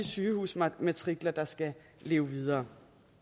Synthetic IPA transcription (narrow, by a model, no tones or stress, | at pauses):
isyːhṵːsmæt͡sʰʁiɡ̥lɐd̥ɑ̈sɡ̥æ | le̝̰ːʊʋið̞ˠɐː